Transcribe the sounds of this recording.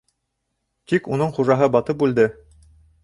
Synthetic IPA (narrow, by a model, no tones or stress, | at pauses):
t̪ikunɤɴχuʒɑɦɤbɑt̪ɤpʉld̪ɘ